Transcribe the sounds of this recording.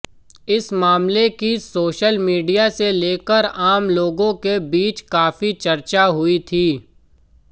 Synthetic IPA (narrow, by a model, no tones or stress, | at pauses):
ɪsmaːmlekisoːʃəlmiːɖijaseleːkəɾaːmloːɡõkebiːt͡ʃkaːfit͡ʃɐɾt͡ʃaɦʊit̪ʰiː